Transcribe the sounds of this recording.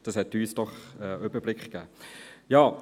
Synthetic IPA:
d̥ɑshɛtyːsd̥ɔχɛːøb̥əblɪkχɡ̥æːjɑː

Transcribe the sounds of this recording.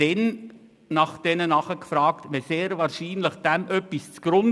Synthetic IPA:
ɛn | nɑχd̥ɛnənɑχəkfɾɑːktʋɛseːɾvɑːɾʃiːnləχd̥æmʔœpːist͡sɡ̥ɾʊn

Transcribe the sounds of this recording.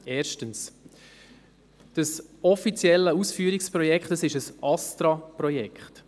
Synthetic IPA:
ɛːɾʃtəns | d̥əsɔfit͡sjɛlːəusfyːəɾikspɾɔjɛkχtəsɪʃəsɑstɾɑpɾɔjɛkχt

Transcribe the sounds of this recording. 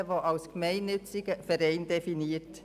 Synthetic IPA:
ʋoʔɑʊskmɛɪnːʏt͡sɪɡəfəɾɛɪndɛfiniːt

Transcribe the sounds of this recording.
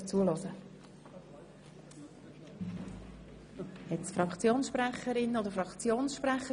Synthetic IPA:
t͡suəlɔzə | hɛtsfɾɑkt͡sjoːnsʃpɾɛχəɾɪnːodəɾfɾɑkt͡sjoːnsʃpɾɛχə

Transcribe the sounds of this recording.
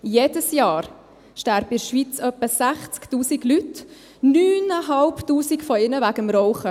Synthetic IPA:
jeːdəsjɑːɾ | ʃtæɾbəɪɾʃʋit͡sœpːəsæχt͡sktuːsiɡlyt | nyːnəɦɑlptuːsikfɔɪnəvæɡəmɾɔʊχə

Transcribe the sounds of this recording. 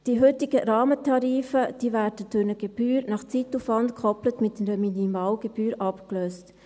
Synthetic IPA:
d̥iɦʏtɪɡəɾɑːmətʰɑɾiːfəd̥iːvæːɾdəd̥ʊɾnəɡ̥ɛb̥yːɾnɑχt͡situfʋɑntkʰʁɔplətmɪtɾəminimɑːlɡ̥ɛb̥yːɾʔɑpkløːst

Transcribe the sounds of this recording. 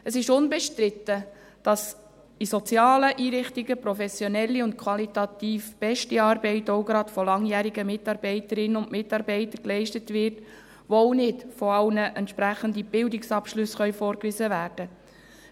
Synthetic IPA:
əsɪʃʊnbɛʃtɾɪtːə | d̥ɑs | isɔt͡sjɑːləʔiːɾɪχtiɡəpɾɔfɛsjɔnɛlːiʊntkʰwɑlit̪ɑt̪iːfb̥ɛʃtiɑːɾbɛɪtɔʊɡɾɑtfɔlɑŋjæːɾiɡəmɪtːɑːɾb̥ɛɪtəɾɪnəʊndmɪtːɑɾbɛɪtəɾklɛɪʃtətʋɪɾt | ʋooʊnɪdfɔɑlnəʔɛntʃpɾæχəndib̥ɪldɪksɑpʃlɵsχœʏfɔɾkʋizəvæːɾd̥ə

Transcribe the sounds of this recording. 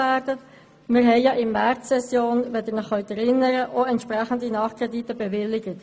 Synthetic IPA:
ɛɾdət | mɪɾɦɛɪjɑʔɪnmɛɾtsɛsjoːnʋɛd̪əɾnəχːœʊt̪ɛɾɪnːəɾəʔoɛntʃpɾæχən̩d̪inɑːχkʰʁɛditəbɛvɪlːɪɡət

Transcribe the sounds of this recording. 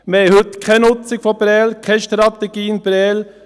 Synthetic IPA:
mehɵt̪kʰɛnʊt͡sɪɡ̥fɔbɾɛːlkʰɛʃt̪ɾɑt̪ɛɡ̥iːənbɾɛːl

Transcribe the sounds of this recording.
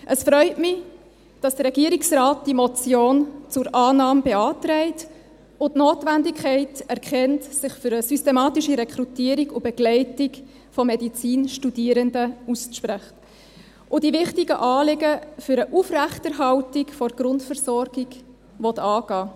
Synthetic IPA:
ʔəsfɾœʏtmɪ | d̥ɑsd̥əɾɛɡ̥iːɾiksrɑːt̚d̥imɔt͡sjoːnt͡sʊɾʔɑːnɑːmb̥eɑːtɾɛɪt | ʊtnoːtʋændikʰɛɪtɛɾkχɛntsɪχfʏɾəsystemɑːtiʃiɾɛkʰɾutiːɾiɡʊb̥ɛɡ̥lɛɪtɪk | fɔmɛdit͡siːnʃtudiːəɾəndəusʃpɾɛχt | ʔʊdiʋɪχtiɡəʔɑːlɪɡəfʏɾəʔufræχtəɾɦɑltikfɔɾɡ̥ɾʊntfəɾsɔɾɡiɡ | ʋɔtɑːɡ̥ɑː

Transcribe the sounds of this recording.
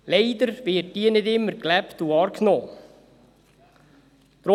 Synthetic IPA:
leɪd̪əɾveːtːiːnɪt̪ɪmːəɾklæpt̪uɑːɾkʰnoː | t̪ɾo

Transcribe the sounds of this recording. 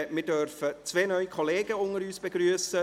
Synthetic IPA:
mɪːdœʁfət͡sveːnœʏikʰɔleːɡəʊŋəɾyːsb̥eɡryːəsə

